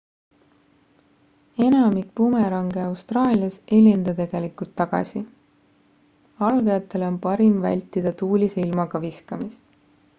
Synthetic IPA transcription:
e̞nɑmik̚pumeɾɑŋɡeɑwst̪rɑːlʲiɑse̞lʲind̪̥ɑt̪e̞ɡ̥e̞likult̪ːɑɡ̥ɑ̰sʲi | ɑlɡɑjɑt̪ːˑe̞lo̞npɑɾimvæ̰lʲt̪ːˑid̪̥ɑt̪uːlʲiseilmɑɡ̥ɑviskɑmist̪

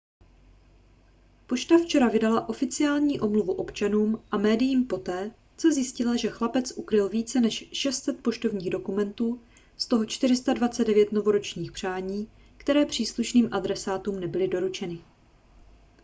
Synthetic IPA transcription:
po̞ʃt̪aft͡ʃɛɾavɪdalaʔo̞fɪt͡sɪaːlɲiːʔomluvuʔo̞pt͡ʃanuːmʔamɛːdɪjiːmpo̞t̪ɛː | t͡sozjɪscɪlaʒɛxlapɛt͡sʔukɾɪlviːt͡sɛnɛʃʃɛst̪sɛt̪̚po̞ʃt̪o̞vɲiːɣdo̞kumɛnt̪uː | st̪o̞ɦo̞t͡ʃt̪ɪɾɪst̪advat͡sɛdɛvjɛt̪no̞vo̞ɾo̞t͡ʃɲiːxpr̝̥aːɲiː | kt̪ɛɾɛːpr̝̥iːsluʃniːmʔadɾɛsaːt̪uːmnɛbɪlɪdo̞ɾut͡ʃɛnɪ

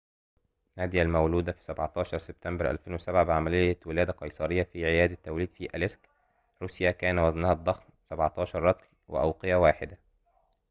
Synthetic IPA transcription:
næːd̪jælmæwluːd̪æfi̥sæbʕɑt̪ˤɑːʃɑɾˤseb̚t̪æmbæɾʔæ̰lfeːnwesæbʕabɪʕamælɪjːæwɪlæːd̪æqɑjsˤɑɾɪjːæfiːʕejæːd̪æt̪ːæwliːd̪fiːʔælesk | ɾuːsjækæːnæwæznæhæd̪ˤːɑxn | sæbʕɑt̪ˤɑːʃɑɾˤːɑt̪l | wɪ̰ʔæ̰wqejæwaːħɪd̪æ

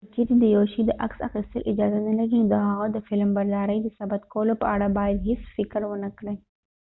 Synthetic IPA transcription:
ət͡ʃeɾid̪əjoʃid̪əʔa̰ksa̰xist̪əlʔɪd͡ʒɑzanəlaɾinod̪əɦaɣad̪əfɪlmbaɾd̪ɑɾəjd̪əsabat̪kawəlopəaɽabɑjad̪ɦɪsfɪkɾwənəkɽəj

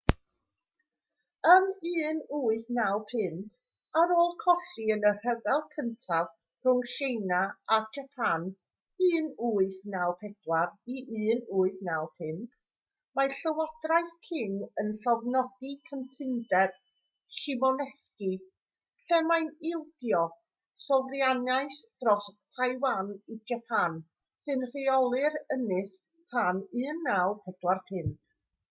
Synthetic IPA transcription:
əmɨːnuːɨθnawpʰɪmb | aɾoːlˠkʰɔɬiənər̥əvɛlˠkʰəntʰað | r̥ʊŋʃejnaad͡ʒapʰan | ɨːnuːɨθnawpʰɛd̥wariʔɨːnuːɨθnawpʰɪmb̥ | maɬəwɔd̥rajθpʰɪnənɬɔvnɔdikʰəntʰɪndɛb̥ | ʃɪmɔnɛski | ɬɛmajnɪlˠd̥jɔ | sɔvrjanaɨsd̥rɔstʰajwanid͡ʒapʰan | sɨnr̥iɔlˠɨɾənɪs | tʰanɨːnːawpʰɛdwarpʰɪnd̥

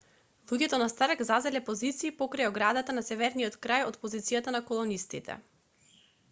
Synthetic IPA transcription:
lˠuɟɛt̪ɔnast̪aɾkzazɛlɛpozit̪siːpɔkɾajɔɡɾad̪at̪anasɛvɛɾnijɔt̪kɾajot̪pozit̪sijat̪anakɔlˠɔnist̪it̪ʰɛ̰

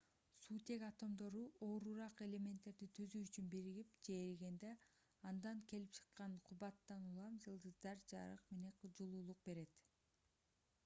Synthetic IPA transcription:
suːt̪e̞kɑt̪o̞md̪o̞ɾuʔoːɾuɾɑqe̞lʲe̞mʲent̪ːe̞ɾd̪it̪ʰøzyːt͡ʃynbiɾiɡipd͡ʒeɾɡe̞nd̪e | ɑnd̪ɑŋke̞lip̚t͡ʃʰɯ̥qːɑnqʰuβɑt̪ːɑnulˠɑmd͡ʒɯlˠd̪ɯzd̪ɑɾd͡ʒɑ̰ɾɯ̰qme̞neqʰud͡ʒulˠuːlˠuq̚be̞ɾe̞t̪

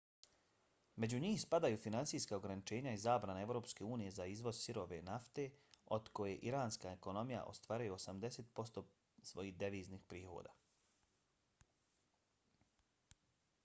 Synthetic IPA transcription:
me̞d͡ʑuɲiːxspad̪ajufinansiːskao̞ɡɾanit͡ʃe̞ːɲaizaːbɾaneevɾo̞ːpske̞uːnije̞zaizʋo̞zsiɾo̞ʋe̞naft̪e̞o̞d̪ko̞je̞ʔiɾaːnskaeko̞no̞mija̰ʔo̞̰st̪ʋaːɾajoosamd̪e̞seːt̪̚po̞st̪o̞ | sʋo̞jiːhd̪eʋiːznixpɾiːxo̞̰ːd̪a̰ː

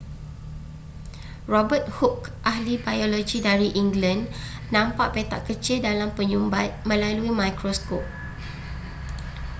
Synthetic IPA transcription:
rɔbət̪̚hukʔahlibajolod͡ʒidaɾiʔiŋɡlənnãmpaʔpet̪aʔkət͡ʃildalampəɲumbat̪̚mə̃laluimãjkɾoskop̚

